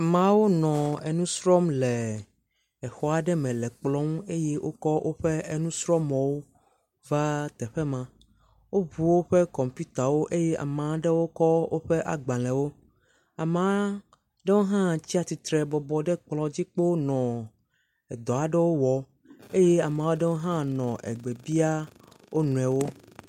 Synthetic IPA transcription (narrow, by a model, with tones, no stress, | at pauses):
a˨mã˨˦wo˦nɔ̃˨ɛ˨nũ˦sɾɔ˦mlɛ˨ | ɛ˨xɔ˦a˨ɖɛ˦mɛ̃˨lɛ˨k͡plɔ˦ŋũ˦e˦jɛ˦wʔo˦kɔ˦wʔo˦ɸɛ˦ɛ˨nũ˦sɾɔ˦mɔ̃˨wo˦ | va˦t̪ɛ˨ɸɛ˦mã˨ | wo˦βu˨wo˦ɸɛ˦kɔ˨mpi˦t̪a˨wo˦ʔe˦jɛ˦ʔa̰˨mã˨˦ɖɛ˦wo˦kɔ˦wo˦ɸɛ˦ʔa̰˨ɡ͡bã˨lɛ̃˨wo˦ | a˨mã˦ | ɖɛ˦wo˦ɦã˦t͡ɕi˦a˦t̪i˨t̪ɾɛ˨bɔ˨bɔ˨ɖɛ˦k͡plɔ̃˨d͡ʑi˦k͡po˦nɔ̃˨ | ɛ˨d̪ɔ˨a˨ɖɛ˦wo˦wɔ˨ | e˦jɛ˦a˨m˨ã˨˦wo˦ɖɛ˦wo˦ɦã˦nɔ̃˨ʔɛ̰˨ɡ͡be˨bi˦a˦wo˦nũ˨ɛ˨wo˦